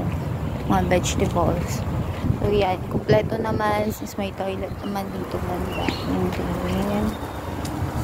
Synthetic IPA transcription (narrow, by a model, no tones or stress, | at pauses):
mɐŋabɛd͡ʒt̪ɛbolssowjankomplɛt̪onɐmansinsmɐjt̪ɐʔilɐt̪̚nɐmand̪iːt̪oŋbɐnd̪a̰nʊŋt̪ɪmɪan